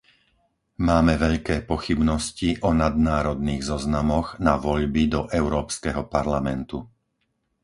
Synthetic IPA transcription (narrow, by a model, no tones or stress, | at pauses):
maːmɛʋɛʎkɛːpɔxibnɔsciʔɔnad̪naːɾɔd̪niːɣzɔznamɔɣnaʋɔʎbid̪ɔʔɛʊɾɔːpskɛɦɔpaɾlamɛnt̪u